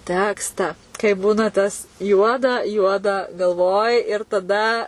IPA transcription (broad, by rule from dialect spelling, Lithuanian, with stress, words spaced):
ˈtʲæːkstɑː kɐɪ ˈbuːnɐ tɐs ˈjuɔdɐ ˈjuɔdɐ ɡɐlˠˈʋoːj ɪr tɐˈdɐ